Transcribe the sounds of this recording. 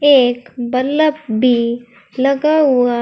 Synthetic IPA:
eːkbəɾləp̚bʱi | lɐɡaɦʊa

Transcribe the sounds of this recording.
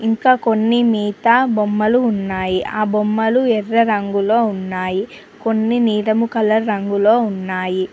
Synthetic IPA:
iŋkaːko̞nːimiːt̪abomːɐluːnːaːjiʔaːbomːɐluɛrːɐɾɐŋɡulo̞ːunːaːji | ko̞nːiniːɾɐmukɐlɐːɐŋɡulo̞ːunːaːji

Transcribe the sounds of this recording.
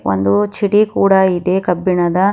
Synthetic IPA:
ʔo̰nd̪ut͡ʃiɽikuːɽɐid̪ekɐbːiɳɐd̪ɐ

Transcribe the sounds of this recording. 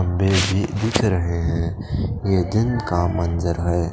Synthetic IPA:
əmbebʱid̪ɪkʰɾəɦeɦɛ̃ | jed̪ɪnkamənzəɾɦɛː

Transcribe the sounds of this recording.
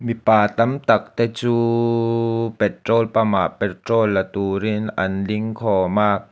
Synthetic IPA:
mipaːt̪amt̪ak̚t̪ɛt͡suː | pɛt̪ɾoːlpamaːpɛt̪ɾoːlːat̪uːɾinʔanliŋkʰɔːmaː

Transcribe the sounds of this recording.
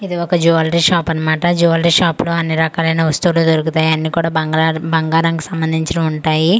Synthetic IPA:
id̪iɔkɐd͡ʒuʋɐlɾiːʃaːpɐnːɐmaːʈɐd͡ʒuːʋɐlɐɾiːʃaːploːɐnːiɾɐkaːlɐjnɐust̪uʋuluːd̪oɾukut̪aːjiɐnːiːkuːɽaːɡbɐŋɡaːɾɐŋku̥sɐmbɐnd̪ʱiɲt͡ʃɐnɐuɳʈaːji

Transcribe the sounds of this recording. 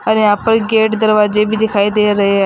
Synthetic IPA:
əɾeaːpəɾɡeːʈd̪əɾʋaːzeːbʱiːd̪ɪkʰaːiːd̪eːɾəɦẽː

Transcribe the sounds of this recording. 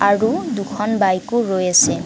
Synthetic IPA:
aɹudukʰɔnbajkʊɹojasɛ

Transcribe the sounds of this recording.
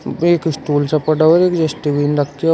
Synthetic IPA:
eːkɪsʈuːlsapɐɽaɔɾeːkd͡ʒɛsʈiʋiːnɾɐkʰt̪i

